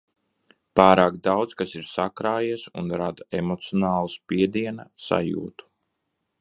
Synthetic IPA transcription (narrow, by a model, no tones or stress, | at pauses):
paːɾaːkd̪awd̪skasiɾsakɾaːjiɛsṵnɾad̪aemɔt̪siɔnaːlˠaspiɛd̪iɛnasa̰jṵːt̪u̥